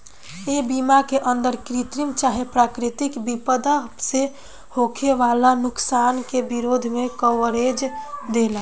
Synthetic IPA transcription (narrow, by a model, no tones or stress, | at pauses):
ebimakeʔənd̪əɾkɾit̪ɾimt͡ʃaɦepɾaːkɾit̪ikbipəd̪ase | hokʰeʋalanʊksankebiɾod̪ʱmẽkəwəɾed͡ʒd̪ela